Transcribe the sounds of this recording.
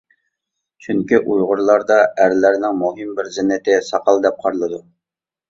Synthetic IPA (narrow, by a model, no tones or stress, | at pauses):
t͡ʃʰyŋkʲiʔujʁʊɾlˠɑɾd̪ɑæɾlæɾnɪŋmuɦimbɪɾzɪnːɪt̪ɪsɑqɑlˠd̪ɛp̚qʰɑɾlˠɨd̪u